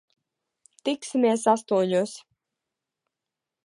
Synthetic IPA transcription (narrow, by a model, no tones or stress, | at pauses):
t̪iksimiɛs̬ast̪uɔɲuːs